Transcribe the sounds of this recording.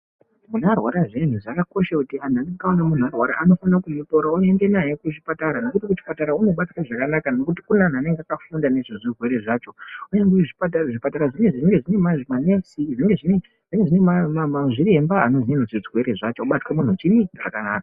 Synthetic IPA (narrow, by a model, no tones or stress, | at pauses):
munarwaɾaʐen̤uʐakako̞ʃakutian̤anekaonamun̤uarwaɾa̰ʔano̞fanakumutoɾaue̞nde̞naje̞kut͡ʃipataɾano̞kutikut͡ʃi̥pataɾauno̞ɓatwaʐakanakano̞kutikunan̤ane̞ŋɡeakafundane̞ʐiʐirwe̞ɾe̞ʐaːt͡ʃo̞ujendeʐipataraʐipataɾaʐiŋeʐiʐiŋɡe̞ʐine̞maʐmanesiʐieŋɡe̞ʐine | ʐ̥iŋɡeʐinemamamaʐiɾe̞mbaano̞zinenoziʐɣwe̞ɾe̞ʐat͡ʃoːɓatwamun̤ut͡ʃinit͡ʃa̰kanaːkḁ